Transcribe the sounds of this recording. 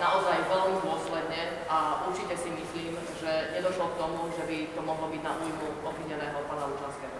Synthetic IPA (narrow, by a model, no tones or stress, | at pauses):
naɔzajʋɛlmid̪ʊɔslɛd̪ɲɛ | aʔuɾt͡ʃicɛsimisliːm | ʒɛɲɛd̪ɔʃlɔk̚t̪ɔmuʒɛbit̪ɔmɔɦlɔbiɟnaʔuːjmu | ɔbʋiɲɛnɛːɦɔpaːnauʒanskɛːɦɔ